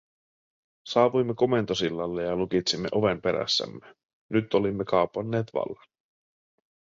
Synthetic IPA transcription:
sɑːʋujmːeko̞me̞nt̪o̞silːɑlːejɑlukit̪simːe̞ʔo̞ʋe̞mpe̞ɾæ̰sːæ̰mːe | nyt̪ːo̞limːekɑːpɑnːeːt̪ʋɑ̰lːɑn

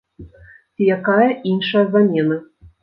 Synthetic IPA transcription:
t͡sʲijakajɐʔinʂɐjɐzamʲɛnɐ

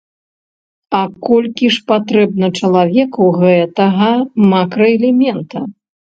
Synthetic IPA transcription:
ɐkɔlʲkʲiʂpat̪ɾɛbnɐt͡ʂɐlˠavʲɛkuɣɛt̪ɐɣɐmakɾɐɛlʲɛmʲɛnt̪ɐ

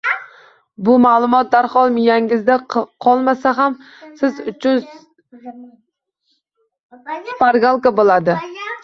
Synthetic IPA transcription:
bʊmalˠʊmɒt̪̚d̪aɾχɒlˠmɪjaŋɪzd̪aqʰɒlˠmasaɦam | sɪzʊt͡ʃʰʊn | spaɾɡalˠkabolˠad̪ɪ

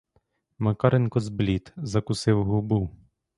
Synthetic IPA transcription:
mɐkɑɾenkɔzblʲit̪zɐkʊsɪwɦʊbu

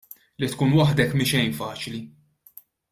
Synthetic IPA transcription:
lit̪kuːnwɐħd̪ɛkmɪnʃɛjnfɐːt͡ʃli

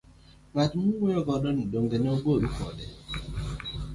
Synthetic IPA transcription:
ŋadmuŋeɔɡɔdɔn̩doŋ̩ɡenoɡoɾukɔ̰dɪ

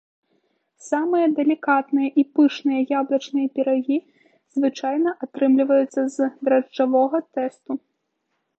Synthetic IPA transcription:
samɨjɐd̪ɛlʲikat̪nɨjɐʔipɨʂnɨjɐjablˠɐt͡ʂnɨjɐpʲɛɾaɣʲi | z̥vɨt͡ʂajnɐʔat̪ɾɨmlʲivɐjut̪sːɐzd̪ɾɐʐavɔɣɐt̪ɛst̪u

